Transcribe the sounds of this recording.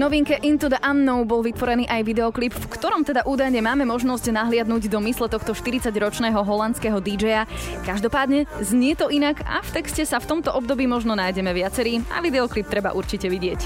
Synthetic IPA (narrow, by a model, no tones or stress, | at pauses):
nɔʋiŋkɛʔint̪ud̪ʔanːɔʊbɔlʋit̪ʋɔɾɛniːʔajʋid̪ɛɔklipfkt̪ɔɾɔmt̪ɛd̪aʔuːd̪ajɲɛmaːmɛmɔʒnɔsɟnaɦlɪad̪nuɟd̪ɔmislɛt̪ɔxt̪ɔʃt̪iɾit͡saɟɾɔt͡ʃnɛːɦɔɦɔlant͡skɛɦɔd̪id͡ʒɛjakaʒd̪ɔpaːd̪ɲɛzɲɪɛt̪ɔʔinaka̰ft̪ɛkscɛsaft̪ɔmt̪ɔʔɔb̚d̪ɔbiːmɔʒnɔnajɟɛmɛʋɪat͡sɛɾiːa̰ʋid̪ɛɔklip̚t̪ɾɛba̰ʔuɾt͡ʃicɛʋiɟɪɛc